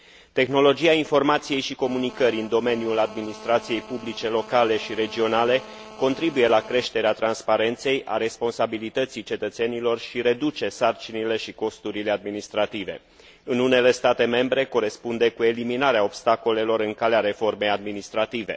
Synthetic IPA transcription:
t̪e̞xno̞lo̞d͡ʒiainfo̞rmat̪sije̞jʃiko̞munikəɾiɨnd̪o̞me̞njulad̪minist̪ɾat̪sije̞jpublit͡ʃe̞lo̞kale̞ʃiɾe̞d͡ʒio̞nale̞ | ko̞nt̪ɾibuje̞lakɾe̞ʃt̪e̞ɾeat̪ɾanspaɾe̞nt̪se̞jʔa̰ɾe̞spo̞nsabilit̪ət̪sit͡ʃe̞t̪ət̪se̞nilo̞rʃiɾe̞d̪ut͡ʃe̞sart͡ʃinile̞ʃiko̞st̪uɾilead̪minist̪ɾat̪ive̞̰ | ɨnune̞le̞st̪at̪e̞me̞mbɾe̞ko̞ɾe̞spund̪ekue̞liminaɾeaobst̪ako̞le̞lo̞ɾɨŋkaleaɾe̞fo̞rme̞jad̪minist̪ɾat̪ive̞̰

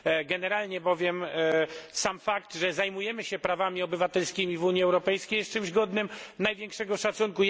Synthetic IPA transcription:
ɡɛnɛɾalɲɛbɔvʲjɛm | samfakt̪ʐɛzajmujɛmɘɕɛpɾavamʲiɔbɘvat̪ɛlskʲimʲivuɲiɛwɾɔpɛjskʲejɛst̚t͡ʂɨmʑɡɔd̪nɘmnajvʲjɛŋkʂɛɡɔʂat̪sunku

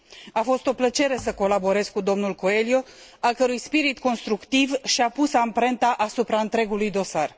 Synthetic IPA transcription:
afo̞st̪o̞plət͡ʃe̞ɾe̞səko̞labo̞ɾe̞zkud̪o̞mnulko̞e̞ljo̞ | alkəɾujspiɾit̪ko̞nst̪ɾukt̪ivʃiapusampɾe̞nt̪aʔasupɾaɨnt̪ɾe̞ɡulujd̪o̞sar

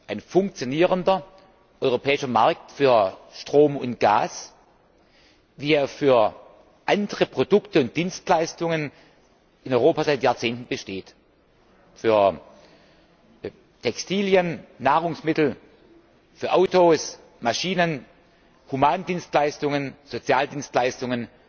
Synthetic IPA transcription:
ʔaɪnfʊŋk̚t͡sjoniːʁəndɐ | ʔɔʏʁopʰɛːɪʃɐmaɐk̚tfyːɐʃtʁ̥oːmʊnt̚ɡ̥a̰ːs | viːeːɐfyːɐ | ʔandəʁəpʁ̥odʊktəʊnt̚d̥iːnstlaɪstʊŋən | ɪnɔʏʁoːpazaɪtjaːɐt͡seːntn̩bəʃteːt | fyːɐ | tʰɛkstʰiːljənːaːʁ̞ʊŋsmɪtl̩ | fyːɐʔaʊtoːs | maʃiːnən | humaːndiːnstlaɪstʊŋənz̥ot͡sjaːldiːnstlaɪstʊŋən

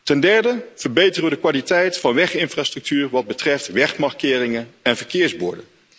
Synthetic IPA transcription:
tɛndɛɹdəv̥əɹbejtərəʋədəkʋalitɛjtfɑnʋɛχɪnfraːstr̥ɵk̚tyːrʋɑd̚bətrɛftʋɛχmɑrkɪːrɪŋənɛnvəɹkɪːɹzbʊ̰ːɹdə

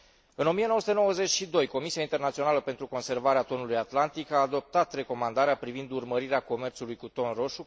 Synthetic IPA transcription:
ɨno̞mijenoəsu̥t̪enowəze̞t͡ʃʃid̪o̞jko̞misiaint̪e̞rnat̪sio̞naləpe̞nt̪ɾuko̞nse̞rvaɾeat̪o̞nulujat̪lant̪ikaːd̪o̞p̚t̪at̪re̞ko̞mand̪aɾeapɾivind̪urməɾiɾeako̞me̞rt̪sulujkut̪o̞nro̞ʃu

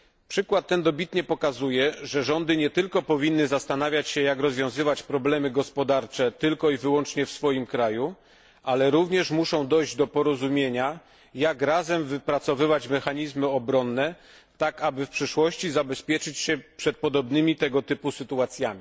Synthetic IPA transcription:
pʂɘkwat̪ːɛnd̪ɔbʲit̪ɲɛpɔkazujɛʐɛʐɔnd̪ɘɲɛt̪ɘlkɔpɔvʲinːɘzast̪anavʲjat͡ɕɕɛjakɾɔzvʲjɔ̃w̃zɘvat͡ɕpɾɔblɛmɘɡɔspɔd̪aɾt͡ʂɛt̪ɘlkɔivɘwɔnt͡ʂɲɛfsfɔjimkɾaju | alɛɾuvɲɛʂmuʂɔ̃w̃d̪ɔjʑd͡ʑd̪ɔpɔɾɔzumʲjeɲa | jakɾazɛmvɘpɾat̪sɔvɘvat͡ɕmɛxaɲizmɘɔbɾɔnːɛ | t̪akabɘfpʂɘʂwɔɕt͡ɕizabɛspʲjɛt͡ʂɘt͡ɕɕɛpʂɛt̪̚pɔd̪ɔbnɘmʲit̪ɛɡɔt̪ɘpusɘt̪uat̪sʲjamʲi

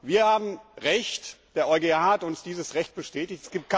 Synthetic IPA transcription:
viːɐhaːbm̩ʁɛçtd̥eːɐʔɔʏɡehaaːhatʊnsd̥iːzəsʁɛçt̚b̥əʃtɛːtɪçtɛ̥sɡ̥iːp̚t̚kʰ

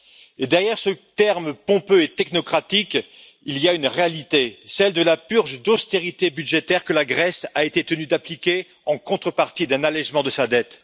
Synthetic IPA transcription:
ed̪ɛʁjɛʁsət̪ɛʁmpɔ̃pøet̪ɛknɔkχat̪ikʲ | iliaynʁealit̪esɛld̪əlapyʁʒd̪ɔst̪eʁit̪ebyd̪ʒet̪ɛʁkəlaɡʁɛsaet̪et̪ənyd̪aplikʲe | ɑ̃kɔ̃t̪χəpaʁt̪id̪ɛ̃nalɛʒmɑ̃d̪əsad̪ɛt̪

